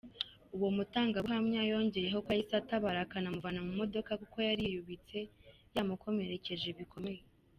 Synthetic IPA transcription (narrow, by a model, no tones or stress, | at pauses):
uwo̞mutaːŋɡauhamɲajo̞ːɲɟe̞je̞ɦo̞kwajisataβaɾakanamuvanamumo̞do̞kakuko̞jaɾijuβit͡se̞ | jamukʰo̞me̞ɾe̞ce̞ʒe̞βikʰo̞meje